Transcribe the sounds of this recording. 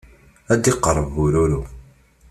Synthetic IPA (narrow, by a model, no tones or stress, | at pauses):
æd̪iqːəɾˤːəvuɾuɾu